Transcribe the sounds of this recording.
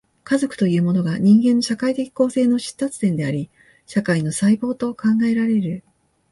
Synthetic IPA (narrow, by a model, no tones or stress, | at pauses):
kazo̞kɯ̟̥t̪o̞jɯ̟ːmo̞no̞ɡaɲ̟ĩŋɡẽ̞nːo̞ɕakait̪e̞kʲi̥ko̞ːse̞ːno̞ɕi̥t̪ːat͡sɨ̥t̪ẽ̞nd̪e̞aɾʲi | ɕakaino̞saibo̞ːt̪o̞kãŋɡae̞ɾaɾe̞ɾɯ̟